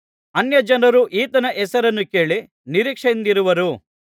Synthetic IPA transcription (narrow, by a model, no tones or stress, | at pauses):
ɐnjɐd͡ʒɐnɐɾuʔiːt̪ɐnɐʔɛsɐɾɐnːuke̞ːɭi | niɾiːkʂɐnd̪iɾuʋɐɾu